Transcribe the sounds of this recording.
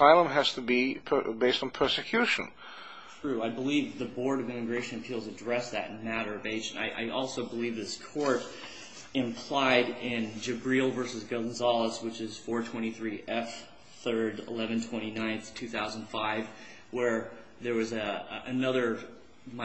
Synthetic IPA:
aɪlˠə̃mɦɨz̥tʰəbipʰbeɪstn̩pʰɜ˞sɨkʰj̥ʉʃɨ̰̃n | tʰɹ̥ʉaɪbəlivðɨbɔɹɾʌvɪ̃mɨɡɹeɪʃɨ̃nɨpʰilˠzɨdɹɛsðɨ̰t̚mæɾə˞ʌveɪd͡ʒɨ̃nta̰ɪʔa̰ɪʔɔlˠsoʊbəlivðɪskʰɔɹɾ | ɨ̃mpʰl̥aɪɾɪ̃nd͡ʒɨbɹilˠvɜ˞sɨzɡod̃n̩zɑlˠəswət͡ʃɨz̥fɔɹtʰw̥ɛ̃ɾ̃iθɹiʔɛf | θɜ˞ɾɪ̰lɛvɨ̃n̩tʰw̥ɛ̃ɾ̃inãɪ̃nθtʰʉθaʊz̃n̩d̥faɪv | wə˞ | ðə˞wʌzɨnʌðə˞ | m

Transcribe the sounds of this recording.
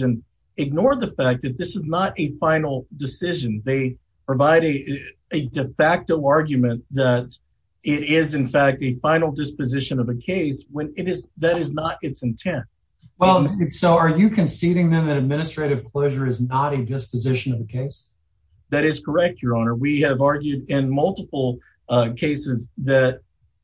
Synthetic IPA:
ɨ̃n | ɨɡ̚nɔɹ̚ðɨfæk̚ðɨt̪̚ðɪsɨznəɾʔɨfãɪ̃nl̩ˠdɨsɪʒɨ̃nðeɪ | pʰɹ̥ɨvaɪɾɨɨdɨfæk̚toʊɑɹɡjɨmɨ̃nðɨɾ | ɪɾɪzɨ̃nfæk̚tɨfãɪ̃nl̩ˠdɪspɨzɪʃɨ̃nʌvɨkʰeɪswə̃nɪɾɨzðɨɾɨznəɾɨtsɨ̃n̩tʰɛ̃nt | wɛlˠsoʊə˞jɨkʰɨ̃nsiɾɪ̃ŋðɨ̃mðɨɾɨd̚mɪ̃ñɨstɹ̥eɪɾɨv̥kʰl̥oʊʒə˞ɨznəɾɨdɪspɨzɪʃɨ̃nʌvɨkʰeɪs | ðɨɾɨz̥kʰə˞ɛk̚t͡ʃə˞ɑnə˞wiɨvɑɹɡjʉɾɪ̃nmʌlˠtəpl̩ˠ | kʰeɪsɨzðɨt̚

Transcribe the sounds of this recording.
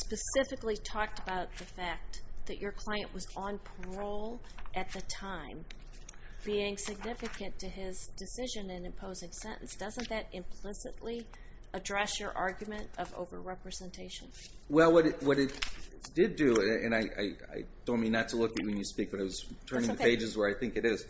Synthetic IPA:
spɨsɪfɨklitʰɔk̚təbaʊt̪̚ðɨfæk̚ðɨt͡ʃə˞kʰl̥aɪɨ̃nʔwʌzə̃npʰə˞oʊlˠ | ʔɨt̪̚ðɨtʰãɪ̃m | b̥iɪ̃ŋsɨɡ̚nɪfɨkɨ̃ntʰɨɪzdɨsɪʒɨ̃nɨ̃nɨ̃mpʰoʊzɪ̃ŋsɛ̃ɾ̃ʔn̩sd̥ʌzə̃nðɨɾɪ̃mpʰl̥ɪsɨʔˡli | ədɹɛsjə˞ʔɑɹɡjmɨ̃ntʌvo̰ʊvə̰˞ɹɛpɹɨzɛ̃ntʰeɪʃɨ̃n | wɛlˠwʌɾɨtwʌɾɨt̚d̥ɪdɨɨ̰̃naɪʔa̰ɪa̰ɪd̥õʊ̃nmĩnːɨtʰəlʊkɨt̚wɨ̃njɨspik̚b̥ʌɾaɪwʌz̥tʰɜ̃˞nɪ̃ŋðɨpeɪd͡ʒɨzwə˞aɪθɪ̃ŋkɨɾɪz̥

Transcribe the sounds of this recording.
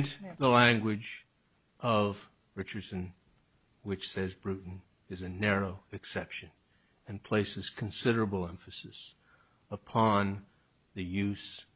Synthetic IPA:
ðəlæ̃ŋɡwɪd͡ʒ | ʔʌv | ɹɪt͡ʃə˞d̥sɨ̃n | wɨt͡ʃsɛzbɹʉʔn̩ | ɨzɨnɛɹoʊɨksɛpʃɨ̃n | ɨ̃npʰl̥eɪsɨz̥kʰnsɪɾə˞ɨbl̩ˠɛ̃ɱfɨsɨs | əpʰɑ̃n | ðɨjʉs

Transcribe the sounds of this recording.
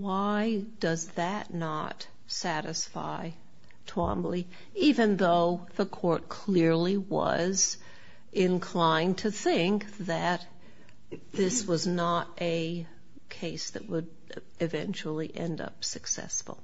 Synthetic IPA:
waɪd̥ʌzðɨtⁿnət | sæɾɨsfa̰ɪ | tʰw̥ɑ̰̃mbli | ivɨ̃nðoʊðəkʰɔɹt̚kʰl̥ɪɹliwʌ̰z | ɪ̃nkʰl̥ãɪ̃ntʰɨθɪ̃ŋk̚ðɨt̪̚ | ðɪswʌznəɾɨ | kʰeɪsðɨ̰ʔ̚wəɾ | ɨvɛ̰̃nt͡ʃl̩ˠiʔɛ̃ndʌ̰psɨksɛ̰sfl̩ˠ

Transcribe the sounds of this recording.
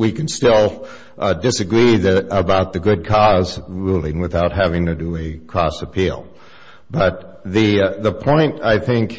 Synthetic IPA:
wikn̩stɪlˠ | dɨsɨɡɹiðɨəbaʊt̪̚ðɨɡʊd̚kʰɔzɹulˠɪ̃ŋwɨθaʊt̚ɦævɪ̃ŋtɨdɨɨkʰɹ̥ɔsəpʰilˠ | b̥ʌt̪̚ | ðɨðəpʰɔ̃ɪ̃ntaɪθɪ̃ŋk

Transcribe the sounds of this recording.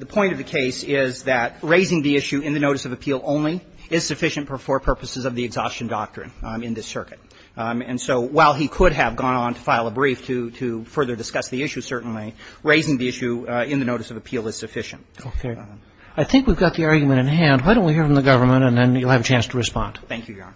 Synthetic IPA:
ðəpʰɔ̃ɪ̃ɾ̃ʌvðɨkʰeɪsɪzðɨt̚ɹeɪzɪ̃ŋðiɪʃʉɨ̃nðɨnoʊɾɨsʌvɨpʰilˠõʊ̃nli | ɪz̥sɨfɪʃɨ̃n̩fə˞fə˞pʰɜ˞pɨsɨzʌvðiɨɡzɔst͡ʃɨ̃n̩dɑk̚tɹ̥ɨ̰̃nɨ̃nðɪsɜ˞kɨt̚ | ɨ̃nsoʊwaɪlˠikʰʊɾ̚ɨvɡɔ̃ñə̃n̩tʰə̥faɪlˠəbɹiftʰɨɾɨfɜ˞ðə˞dɨskʌsðiɪʃʉsɜ˞ʔn̩liɹeɪzɪ̃ŋðiɪʃʉɪ̃nðɨnoʊɾɨsʌvɨpʰilˠɨz̥sɨfɪʃɨ̰̃n̩t̚oʊkʰe | aɪθɪ̃ŋkwivɡɑt̪̚ðiɑɹɡjmɨ̃ɾ̃ɨ̃nɦæ̃nd̚waɪɾoʊ̃ntwihiɹfɹʌ̃mðɨɡʌvə˞mə̃ntɨ̃nðɨ̃njɨlˠɨvɨt͡ʃʰæ̃nstʰəɹɨspɑ̰̃nd̥θæ̃ŋkʰjʉ

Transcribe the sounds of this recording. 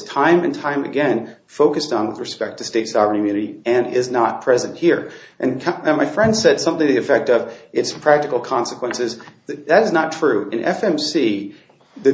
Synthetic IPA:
z̥tʰãɪ̃mɨ̰̃ntʰãɪ̃mɨ̰ɡɛ̃n | foʊkɨstn̩wəðɹɨspɛk̚tʰɨsteɪtsɑvəɹɨ̃nkʰmjʉnɨɾiɨ̃nɪ̰znət̚pʰɹ̥ɛzɨ̃nʔ̚hiɹʔɨ̃nkʰmaɪfɹɛ̃nd̥sɛd̥sʌ̃mθɪ̃ŋðiɨfɛk̚tʌvɨtspʰɹ̥æk̚tɨkl̩ˠkʰɑ̃nsəkʰwə̃nsɨzðɨðɨɾɨznətʰɹ̥ʉɨ̰̃nʔɛ̰fɛ̃msi | ðɨ

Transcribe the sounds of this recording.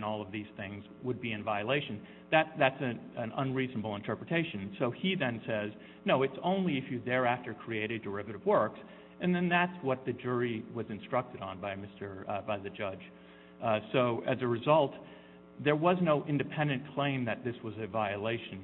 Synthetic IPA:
nɔlˠʌvðiz̥θɪ̃ŋzwəd̚biɨ̃nvaɪɨleɪʃɨ̃n̩ | ðæt̪̚ðætsɨnɨ̃nə̰̃nɹiznəbl̩ˠə̃ntʰɜ˞pɹɨtʰeɪʃɨ̃n̩soʊiðɨ̃nsɛz | noʊɨtsõʊ̃nliɨfjɨðə˞æftə˞kʰɹ̥ieɪɾɨddə˞ɪvɨɾɨvwɜ˞ks | ʔɨ̃nðɨ̃nðætswʌt̪̚ðɨd͡ʒʊɹiwʌzɨ̃nstɹ̥ʌk̚tɨɾn̩baɪmɪstə˞baɪðɨd͡ʒʌd̥ʒ̥ | soʊʔɨzɨɹɨzʌlˠt̪̚ | ðə˞wʌznoʊʔɪ̃ndɨpʰɛ̃ndɨ̃nkʰl̥ẽɪ̃mðɨt̪̚ðɪswʌzɨvaɪɨleɪʃn

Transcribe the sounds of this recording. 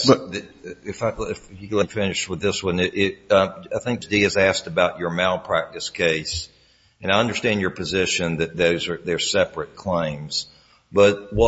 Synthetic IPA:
sðɨɪfaɪɪfɪfjɨɡlɪ̃nfɪ̃nɨʃt̚wəðɪswʌ̃nɪʔɪt̚ʌaɪθɪ̃ŋk̚d̥iɨzæstɨbaʊt͡ʃə˞maɪlˠpʰɹ̥æk̚tɨskʰeɪs | ɨ̃naɪʌ̃ndə˞stæ̃nd͡ʒjə˞pʰɨzɪʃɨ̃nðɨt̪̚ðoʊzə˞ðə˞sɛpɹɨt̚kʰl̥ẽɪ̃mz̥ | b̥ʌt̚wʌ

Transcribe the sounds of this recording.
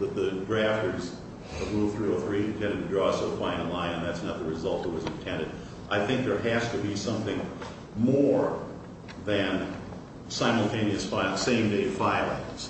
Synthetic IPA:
ðɨt̪̚ðɨdɹæftə˞z | əvɹuθɹʉoθɹiɨ̃n̩tʰɛ̃ndɨd̚tʰɨdɹɔsoʊfãɪ̃nəlãɪ̃ɨ̃nðætsnət̪̚ðəɹɨzʌlˠt̪̚ðət̚wʌzɨ̃ntʰɛ̃ndɨd | ʔaɪθɪ̃ŋk̚ðə˞æstɨbisʌ̃mθɪ̃ŋ | mɔɹ | ðɨ̃n | sãɪ̃ml̩ˠtʰẽɪ̃niɨsfaɪsẽɪ̃mdeɪ̥faɪlˠa̰s

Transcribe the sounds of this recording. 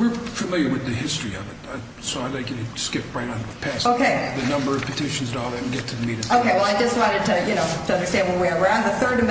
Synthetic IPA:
wɪɹfɨmɪlˠjə˞wɨðɨhɪstɹ̥iʌ̰vɨt̚a | soʊaɪdaɪkɨ̃nɨskɪp̚ɹaɪɾn̩ɨɨpʰæsoʊkʰeɪðɨnʌ̃mbə˞ʌv̥pɨtʰɪʃn̩zɨɾɔɨtn̩ɡɛtʰɨðɨmiɾoʊkʰeɪwɛlˠaɪd͡ʒʌst̚wɑ̃ɾ̃ɨd̚tʰɨjɨnoʊtʰɨʌ̃ndə˞stæ̃ndwʌt̚wiɹə˞ãʊ̃nðəθɜ˞ɾɨ̃

